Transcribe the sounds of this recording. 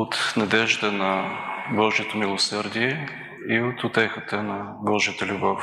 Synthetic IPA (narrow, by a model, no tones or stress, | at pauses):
ot̪nɐd̪ɛʒd̪ənɐbɔʒijot̪omilˠosəɾd̪iɛ | iot̪ʊt̪ɛxət̪ənɐbɔʒiət̪əlʲʊbɔf